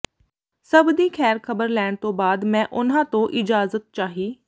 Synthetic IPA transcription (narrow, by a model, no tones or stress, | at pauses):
səbd̪iːkʰɛːɾkʰəbəɾlɛːɽ̃t̪õːbaːd̪mɛ̃ːʔʊn̤ãːt̪õːʔɪd͡ʒaːzət̪̚t͡ʃaːɦiː